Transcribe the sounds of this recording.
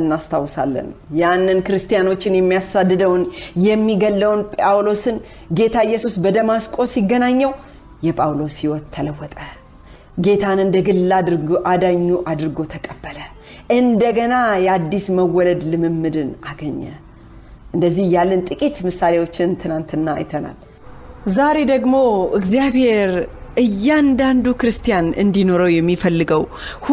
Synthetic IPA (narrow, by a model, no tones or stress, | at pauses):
ɨnːast̪ʰawːsa̰lːə̰njanːɨnkɨɾɨst̪ʰʼijano̞t͡ʃːɪnjɛmːijasad̪ːɨd̪əwnjɛmːiɡəlːəwnpʼawlo̞sɨn | ɡe̞t̪ʰaɨjːɛsusbəd̪əmaskʼo̞siɡːənaɲːɛw | jɛpʼawlo̞sjɪwɔt̪ʰːələwːɔt̪ʼə | ɡe̞t̪ʰanɨnd̪əɡɨlːaʔad̪aɲːuʔad̪ɨɾɨɡo̞t̪ʰəkʼəbːələ | ʔɨnd̪əɡənajɛad̪ːisməwːɔləd̪lɨmɨmːɨd̪ɨnaɡəɲːə̰ | ʔɨnd̪əzːihjalːənt̪ʼɨkʼit̪mɨsːalewo̞t͡ʃːɪnt̪ʰɨnant̪ɨnːa̰jɪ̰t̪ʰəna̰l | zaɾe̞d̪əɡmo̞ɨɡzijabhe̞ɾʔɨjːand̪and̪ukɨɾɨst̪ijanɨnd̪ino̞ɾəwjɛmːifəlːɨɡəw | h